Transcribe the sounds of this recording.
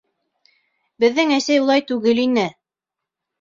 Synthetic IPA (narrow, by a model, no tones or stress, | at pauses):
bɘ̆ðːɘŋæsæjulˠɑjt̪ʉɡɘlinɘ